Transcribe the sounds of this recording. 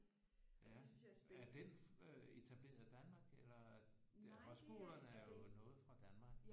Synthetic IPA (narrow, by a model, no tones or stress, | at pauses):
jææɐd̥enøe̝t͡sʰæb̥le̝̰ːɐð̩ˠd̥ænmɑ̈ːɡ̥elɐ̥eʁɒsb̥olˠɐnæɐjo̝nɔ̽ːð̩ˠfʁɑ̈d̥ænmɑ̈ːɡ̥